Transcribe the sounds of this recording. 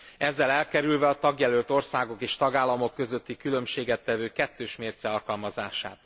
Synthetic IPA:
ɛzːɛlɛlkɛɾylvɛɒt̪ɒɡjɛlølt̪o̞rsaːɡo̞keːʃt̪ɒɡaːlːɒmo̞kːø̞zø̞t̪ːikylø̞mʃeːɡɛt̪ːɛvøːkɛt̪ːøːʃmeːrt̪sɛɒlkɒlmɒzaːʃa̰ːt̪

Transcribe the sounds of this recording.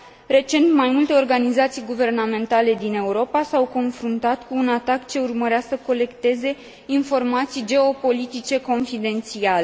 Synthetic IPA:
re̞t͡ʃe̞nt̪majmult̪e̞o̞rɡanizat̪sijɡuve̞rname̞nt̪ale̞d̪ine̞uɾo̞pasawko̞nfɾunt̪at̪kuːnat̪akt͡ʃe̞urməɾeasəko̞le̞kt̪e̞ze̞ | info̞rmat̪sijd͡ʒe̞o̞po̞lit̪it͡ʃe̞ko̞nfid̪e̞nt̪siale

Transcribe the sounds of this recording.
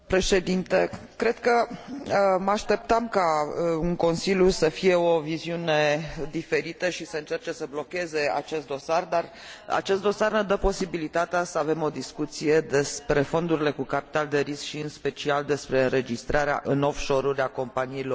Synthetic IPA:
pɾe̞ʃe̞d̪int̪e | kɾe̞d̪kə | maʃt̪e̞p̚t̪əmkauŋko̞nsilʲjusəfije̞o̞viziune̞d̪ife̞ɾit̪əʃisəɨnt͡ʃe̞rt͡ʃe̞səblo̞ke̞ze̞a̰t͡ʃe̞st̪̚d̪o̞sard̪ar | a̰t͡ʃe̞st̪d̪o̞sarned̪əpo̞sibilit̪at̪easəave̞mo̞d̪iskut̪sije̞d̪e̞spɾe̞fo̞nd̪uɾile̞kukapi̥t̪ald̪e̞ɾiskʃiɨnspe̞t͡ʃiald̪e̞spɾe̞ɨnɾe̞d͡ʒist̪ɾaɾea̰ʔɨno̞fʃo̞ɾuɾʲako̞mpaniːlo̞r

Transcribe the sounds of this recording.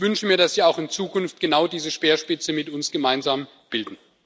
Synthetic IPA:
v̥ʏnʃəmiːɐdasv̥iːaʊxɪnt͡suːkʊnft̚ɡ̥ənaʊdiːzəʃpeːɐʃpɪt͡səmɪtʊnsɡ̥əmaɪnzaːm | b̥ɪldn̩

